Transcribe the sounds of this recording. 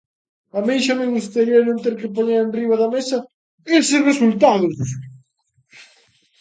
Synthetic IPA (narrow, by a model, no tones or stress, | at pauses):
ɐmejʃamẽŋust̪aɾiɐnõnt̪eɾkɪp̬oɲeɾenriβɐðɐmesɐ | esɪsresult̪aðʊ